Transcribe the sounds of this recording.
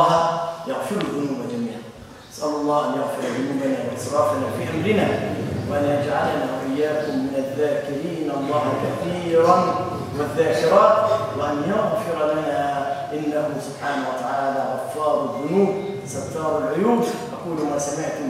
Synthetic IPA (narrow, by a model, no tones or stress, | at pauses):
hjaɣfɪɾaðːʊnuːbad̪amiːʕa | ʔʔasʔallˤːɑːhʔanjaɣfɪɾˤðʊnuːbanaːwaʔɪsɾˤɑːfanafiːʔamɾɪnaːwɪʔanjad͡ʒʕalanaːwaʔɪjːaːkʊmːɪnaðːaːkɪɾiːnɑlˤːɑːhkaθiːɾˤɑn | wɪðːaːkɪɾˤɑːt̪wɪʔanjʊɣfɪɾlanaʔɪnːahʊsʊb̥ħaːnawat̪aʕaːlaːɣafːɑːɾˤaðːʊnuːb | ɪsat̪ːɑːɾˤalʕʊjuːbʔakuːlʊmaːsamɪʕt̪ʊm